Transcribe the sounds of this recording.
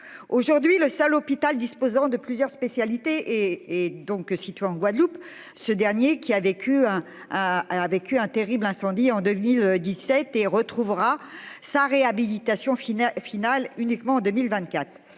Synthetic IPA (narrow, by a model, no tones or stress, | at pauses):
oʒuʁd̪ɥiləsalɔpit̪ald̪ispozɑ̃d̪əplyzjœʁspesjalit̪eʔː | d̪ɔ̃ksit̪ɥeɑ̃ɡwad̪lup | səd̪ɛʁnjekʲiavekʰʲyɛ̃ | avekʲyɛ̃t̪eʁiblɛ̃sɑ̃d̪iɑ̃d̪ømild̪isɛt̪eʁət̪χuvʁasaʁeabilit̪asjɔ̃ffinalynikmɑ̃ːd̪əmilvɛ̃t̪̚kʲat̪χ